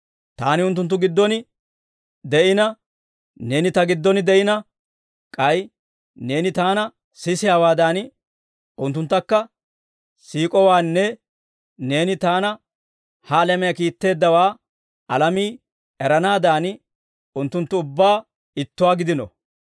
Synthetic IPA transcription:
t̪a̰ːnɪʊnt̪ːʊnt̪ːʊɡɪd̪ːɔnɪ | d̪ɛʔɪnɐ | ne̞ːnɪt̪ɐɡɪd̪ːɔnɪd̪ɛʔɪnɐ | kʼɐj | ne̞ːnɪt̪aːnɐ | sɪsɪjaːwaːd̪aːn | ʔʊnt̪ːʊnt̪ːɐkːɐ | siːkʼɔwaːnːɛ | ne̞ːnɪt̪aːnɐ | halɛmɛjɐkiːt̪ːe̞ːd̪ːɐwaː | ɐlɐmiː | ɛɾɐnaːd̪aːn | ʊnt̪ːʊnt̪ːʊʊbːaː | ɪt̪ːʊwaːɡɪd̪ɪnɔ̰

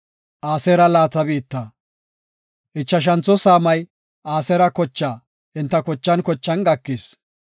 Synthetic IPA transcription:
ʔaːsɛɾɐlaːt̪ɐbiːt̪ːɐ | ʔɪt͡ʃːɐʃ̬ɐnt͡sːɔsaːmɐj | ʔaːsɛɾɐkɔt͡ʃːaː | ɪnt̪ːɐkɔt͡ʃːɐnkɔt͡ʃːɐnɡɐkːɪs

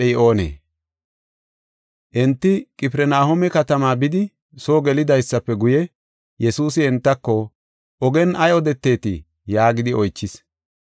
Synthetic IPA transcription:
ɛʔo̞ːnḛː | ʔɛnt̪ːɪkʼɪpɪɾɛnaːhɔmɛkɐt̪ɐmaːbɪd̪ɪ | so̞ːɡɛlɪd̪ɐjsːɐpːɛɡʊjɛ | jɛsuːsɪɛnt̪ːɐkːɔ | ʔɔɡɛnɐjɔd̪ɛt̪ːe̞ːt̪ɪ̰ | jaːɡɪd̪ɪɔjt͡ʃːɪs

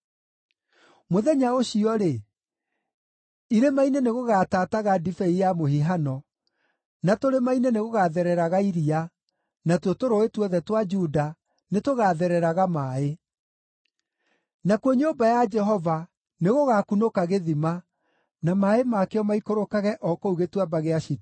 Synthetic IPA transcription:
moðɛɲaoɕiɔɾe | iɾemaineneɣoɣataːtaɣadifɛijamohiɦanɔ | natoɾemaineneɣoɣaðɛɾɛɾaɣaiɾia | natwotoɾoetwɔðɛtwad͡ʒuda | netoɣaðɛɾɛɾaɣamaːe | nakwoɲoːbajad͡ʒɛɦɔva | neɣoɣaːkunokaɣeðima | namaemakeɔmaikoɾokaɣɛʔɔkɔuɣetwabaɣeaʃit

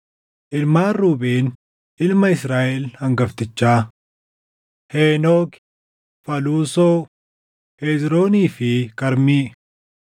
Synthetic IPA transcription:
ʔɪlmaːruːbeːn | ʔɪlmɐɪsɾaːʔɛlhɐŋɡɐft̪ɪt͡ʃːaː | heːnoːk | fɐluːsoː | heːzɾoːniːfɪkɐɾmiː

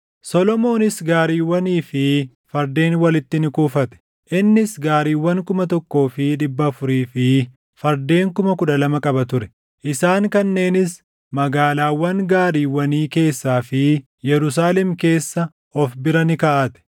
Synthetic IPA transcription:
sɔlɔmo̞ːnɪsɡaːɾiːwːɐniːfɪ | fɐɾd̪e̞ːnwɐlɪt̪ːɪnɪkuːfɐt̪ɛ̥ | ʔɪnːɪsɡaːɾiːwːɐŋkʊmɐt̪ɔkːo̞ːfɪᶑɪbːɐːfʊɾiːfɪ | fɐɾd̪e̞ːŋkʊmɐkʊᶑɐlɐmɐkʼɐbɐt̪ʊɾɛ̥ | ʔɪsaːŋkɐnːe̞ːnɪs | mɐɡaːlaːwːɐŋɡaːɾiːwːɐniːke̞ːsːaːfɪ | jɛɾʊs̬aːlɛmke̞ːsːɐ | ɔfbɪɾɐnɪkɐʔɐt̪ɛ̥

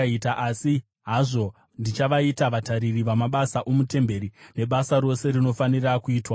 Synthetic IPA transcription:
itaʔasi | ɦaʐo̞ | ndit͡ʃaʋaitaʋataɾiriʋamaɓasaʔomute̞mbe̞ɾine̞ɓasaɾo̞se̞rino̞fanirakuiːtwa

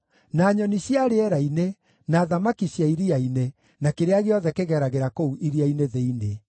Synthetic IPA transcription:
naːɲɔniɕjaɾeɛɾaine | naːðamakiɕjaiɾiaine | nakeɾeaɣeɔðɛkeɣɛɾaɣeɾakouʔiɾiaineðeine

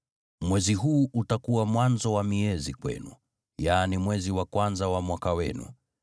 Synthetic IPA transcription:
mwɛziɦuːʔutakuwamwanzɔwamiɛzikwɛ̰nṵ | jaːnimwɛziwakwanzawamwakawɛnṵ

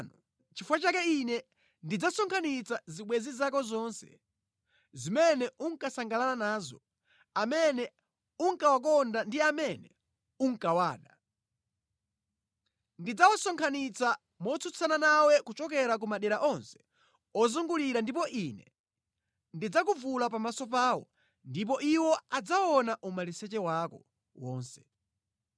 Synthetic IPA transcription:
nɔ | t͡ʃifwat͡ʃakɛinɛ | ndid͡zasɔŋkʰanit͡saziɓwɛzizakɔzɔnsɛ̥̰ | zimɛnɛʔuŋkasaŋɡalananaːzɔ̰ | amɛnɛ | uŋkawak̬ɔndandiamɛnɛ̰ | uŋ̩kawaːɗa | ndid͡zawɔsɔŋkʰanit͡sa | mɔt͡sʰut͡sʰananawɛkut͡ʃɔkɛɾak̬umaɗɛɾaʔɔnsɛ̥ | ɔzuŋɡuliɾandipɔʔinɛ | ndid͡zak̬uvulapamasɔp̬aːwɔ̰ | ndip̬ɔʔiwɔad͡zaɔnaʔumalisɛt͡ʃɛwakɔ | wɔːnsɛ̥

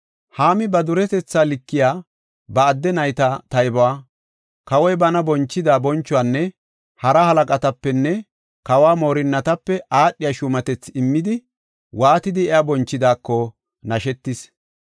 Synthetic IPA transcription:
haːmɪbɐd̪ʊɾɛt̪ɛt͡sːaːlɪkːɪjaː | bɐːd̪ːɛnɐjt̪ɐt̪ɐjbɔwaː | kɐwɔjbɐnɐbɔnt͡ʃːɪd̪aːbɔnt͡ʃːʊwaːnːɛ | hɐɾɐhɐlɐkʼɐt̪ɐpːɛnːɛ | kɐwaːmo̞ːɾɪnːɐt̪ɐpːɛʔaːɗːɪjaʃʊmɐt̪ɛt͡sːɪmːɪd̪ɪ | waːt̪ɪd̪ɪɛabɔnt͡ʃːɪd̪aːkːɔ | nɐʃɛt̪ːɪs

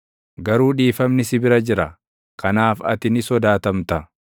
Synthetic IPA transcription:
ɡɐɾuːᶑiːfɐmnɪsɪbɪɾɐd͡ʒɪɾɐ | kʰɐnaːfɐ̰t̪ɪnɪsɔd̪aːt̪ɐmt̪ɐ

